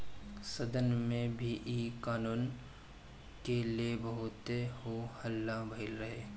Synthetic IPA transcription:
səd̪ənmẽbʱiʔiːkaːnuːn | keliebɐɦʊt̪eɦohəlːabʱəɪlɾɐɦeː

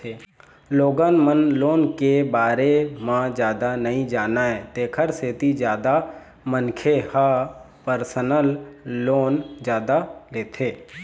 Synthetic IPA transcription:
eː | loːɡanmənloːnkebaːɾemãd͡ʒjaːd̪anəɦĩd͡ʒaːnaɛːt̪eːkʰəɾseːt̪id͡ʒjaːd̪a | mənkʰeha | pəɾsənəlːoːnd͡ʒjaːd̪aleːt̪ʰeː

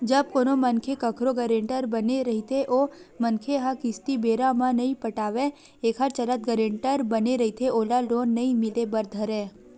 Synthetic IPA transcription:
d͡ʒəb̚konomənkʰekəkʰɾoɡəɾeɳʈəɾbəneɾəɦit̪ʰeʔomənkʰeɦãkɪst̪ibeɾamãnəĩpəʈaʋeː | kʰaɾt͡ʃəɾət̪̚ɡəɾeɳʈəɾbəneɾəɦit̪ʰeolalonːəĩmilebəɾd̪ʱəɾe

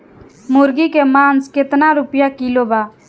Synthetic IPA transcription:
mʊɾɡikemaːnsket̪naɾupjakilobaː

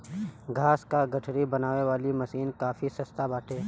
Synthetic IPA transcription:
ɡʱaːskaɡɐʈʰɾibɐnaːʋeʋaːlimɐsiːnkaːfʰisɐst̪abaːʈʰeː

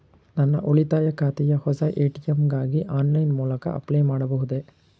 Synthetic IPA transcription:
nɐnːɐ̰ʔɔɭɪt̪aːjɐkːaːt̪ɪjɐhɔsɐʔeːʈɪjɛmɡaːɣiʔaːnlɐɪnmuːlɐkɐ̰ʔɐ̰pːleːmaːɽɐpɔɣɯðeː

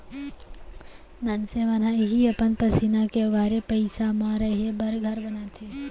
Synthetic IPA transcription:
nɐnseʋɐnaːiɦiɐpənpɐsinakeʊɡaːɾepɐɪsamaɾɐebɐɾɡʱɐɾbɐnaːt̪ʰe

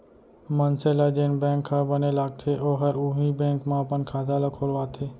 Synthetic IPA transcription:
mənselad͡ʒeːnbɛ̃ːŋkʰːabənelaːɡ̚t̪ʰeoːɦəɾʊɦibɛ̃ːŋkmãɐpənkʰaːt̪alakʰoːlʋaːt̪ʰeː

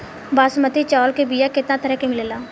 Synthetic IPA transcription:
baːsmət̪it͡ʃɔːlkebijakɪt̪nãt̪ʰəɾɛkemɪləlaː

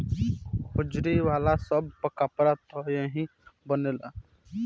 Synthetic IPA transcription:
hʊd͡ʒɾiwaːlasəb̚pəkapɾat̪ɔjẽɦĩbənela

